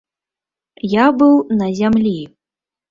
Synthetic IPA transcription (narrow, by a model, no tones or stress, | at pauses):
jabɨwnɐzʲamlʲi